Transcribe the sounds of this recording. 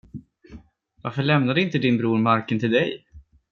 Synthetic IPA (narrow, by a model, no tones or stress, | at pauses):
vaɾfœɭɛmnad̪əɪnt̪əd̪ɪnbɾuːɾmaɾkənt̪ʰɪld̪ɛj